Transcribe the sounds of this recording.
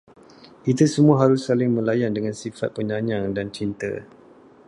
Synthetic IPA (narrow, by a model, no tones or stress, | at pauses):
ʔit̪usəmuaɦaɾʊsːalɪŋmə̃lajandəŋansifat̪̚pəɲãɲaŋdant͡ʃint̪ə̰